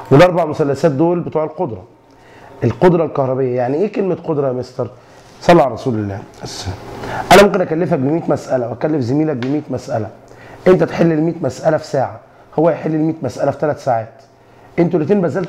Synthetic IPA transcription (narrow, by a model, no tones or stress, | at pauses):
welʔɑɾˤbaʕmʊsælːæsæːt̪̚d̪oːlbet̪uːʕelqod̪ɾˤɑ | ʔelqod̪ɾˤɑlkɑhɾˤɑbejːæjaʕniʔeːkelmæt̪qod̪ɾˤɑmest̪ɑɾˤ | sˤɑlːɑʕɾˤɑsuːlelːæːsæʔænæmomkenʔækælːefhæk̚bemiːt̪mæsʔælæwʔækælːefzæmiːlæk̚bemiːt̪mæsʔælæʔent̪æt̪ħelːelmiːt̪mæsʔælæfi̥sæːʕa | howːæjħelːilmiːt̪mæsʔælæfi̥t̪ælæt̪saːʕæːt̪ | ʔent̪̬ulːet̪iːnbæzːælt̪